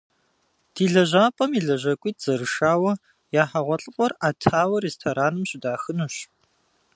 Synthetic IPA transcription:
d̥iːɮɐʒaːpʼɐmiɮɐʑɐkʷʼiːtz̥ɐɾɨʃaːwɐ | jaːħaʁʷɔɬʼɨqʷʼɔraːtʰaːwɐreːstʰoːɾaːnɨmɕɪdaːxɨnuɕ

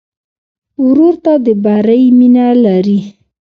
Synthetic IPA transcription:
ʊɾoɾt̪ad̪əbaɾajminalaɾi

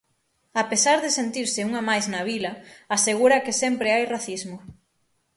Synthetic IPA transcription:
apesaɾðesent̪iɾsɪuŋamajznaβilɐaseɣuɾɐkɪsɛmpɾeajraθizmʊ

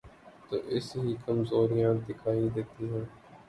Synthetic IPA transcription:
t̪o̰ːʔɪsɦiːkəmzoːɾijãːd̪ɪkʰaːid̪eːt̪iɦɛ̃ː

